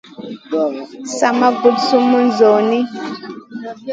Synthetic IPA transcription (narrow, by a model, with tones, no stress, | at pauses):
sa˨ma˦ɡu˦tsu˦mu˦n˦zɔ˨ni˦